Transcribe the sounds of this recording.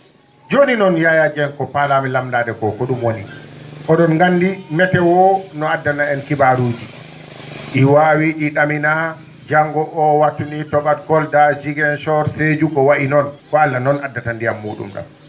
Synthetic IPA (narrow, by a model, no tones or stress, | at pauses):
d͡ʒoninɔnjajad͡ʒɛnkɔpalamilamdaːdɛkɔkɔɗumwoniʔɔɗɔnɡandimɛtɛwɔnɔadːanaɛnkibaɾuːd͡ʒi | ʔiwawiɗiɗamina | d͡ʒaŋɡɔʔɔwatːunitɔɓatkɔldad͡ʒiɡɛnʃɔɾsed͡ʒuɡɔwaʔinɔnkɔalːanɔnadːatandijamːuːɗṵmɡa̰m